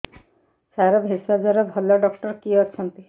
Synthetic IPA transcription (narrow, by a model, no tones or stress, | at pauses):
saɾɔbʱesad͡ʒaɾɔbʱɔlɔɖɔkʈɔɾkiɔt͡ʃʰɔnt̪i